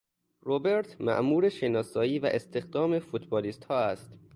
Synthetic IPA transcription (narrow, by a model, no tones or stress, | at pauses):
robe̞ɾt̪ʰmæ̰ʔmuːɾeʃenɒːsɒːjiːvæ̰ʔest̪e̞xd̪ɒːme̞fut̪bɒːliːst̪hɒːæst̪